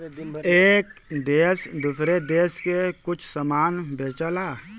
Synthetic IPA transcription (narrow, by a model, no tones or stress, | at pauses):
eːkd̪eːsd̪ʊsɾed̪eːskekʊt͡ʃʰsəmaːnbʱeːt͡ʃəlaː